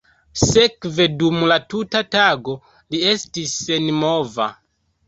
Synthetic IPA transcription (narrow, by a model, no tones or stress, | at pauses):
sekve̞dumlatutataɡo̞ | lie̞stisːenmova̰